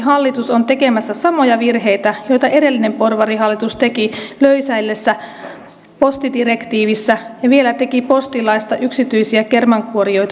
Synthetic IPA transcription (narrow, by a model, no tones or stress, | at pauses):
ɦɑlːit̪usont̪e̞ke̞mæsːæsɑmo̞jɑʋirɦe̞jt̪æjo̞jt̪ɑʔe̞de̞lːine̞mpo̞rʋɑriɦɑlːit̪ust̪e̞kiløysæjlːe̞sːæ | po̞st̪id̪ire̞kt̪iːʋisːæjɑʋie̞læt̪e̞kipo̞st̪ilɑjst̪ɑʔyksit̪yjsiæke̞rmɑŋkuoɾio̞jt̪ɑ